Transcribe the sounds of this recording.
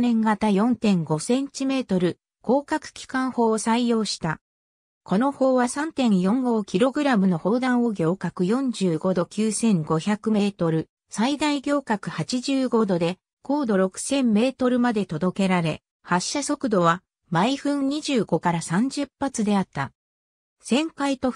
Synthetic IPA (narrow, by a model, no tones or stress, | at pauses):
nẽ̞ŋɡat̪ajõ̞nt̪ẽ̞ŋɡo̞sẽ̞ɲt͡ɕime̞ːt̪o̞ɾɯ̟ | ko̞ːkakɯ̟̥kʲi̥kãɰ̃ho̞ːsaijo̞ːɕi̥t̪a | ko̞no̞ho̞ːβasãnt̪ẽ̞ɰjõ̞ŋɡo̞ːkʲiɾo̞ɡɯ̟ɾamɯ̟no̞ho̞ːd̪ãɰ̃o̞ɡʲo̞ːkakɯ̟jõ̞ɲd͡ʑɨːɡo̞d̪o̞kʲɨːsẽ̞ŋɡo̞çakɯ̟me̞ːt̪o̞ɾɯ̟ | said̪aiɡʲo̞ːkakɯ̟hat͡ɕiʑɨːɡo̞d̪o̞d̪e̞ | ko̞ːd̪o̞ɾo̞kɯ̟̥sẽ̞mːe̞ːt̪o̞ɾɯ̟mad̪e̞t̪o̞d̪o̞ke̞ɾaɾe̞ | haɕːaso̞kɯ̟d̪o̞βa | maiɸɯ̟̃ɲɲ̟iʑɨːɡo̞kaɾasãɲ̟d͡ʑɨpːat͡sɨd̪e̞at̪ːa | sẽ̞ŋkait̪o̞